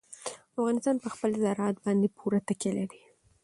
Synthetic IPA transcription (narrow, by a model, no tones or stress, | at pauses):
afɣɑnɪst̪ɑnpəxpəlzɑɾɑt̪̚bɑnd̪epʰuɾat̪akelaɾi